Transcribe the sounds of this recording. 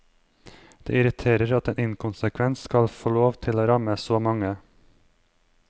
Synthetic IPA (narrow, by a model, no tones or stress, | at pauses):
d̪̥ḛːɪɾɪt̪ʰeːɾəɾɑt̪eːnɪnkʰʊnsəkʰʋɛnskɑlfoːloːʋt̪ʰɪloːɾɑməsoːmɑŋə